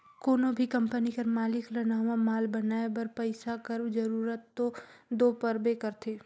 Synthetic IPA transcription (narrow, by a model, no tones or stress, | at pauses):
koːnobʱikɐ̃mpənikɐɾmaːlɪkɾɐnaɦuwamaːlbɐnaːebɐɾpɐɪsakɐɾbd͡ʒɐɾuːɾət̪ːod̪oːpəɾbekɐɾt̪ʰeː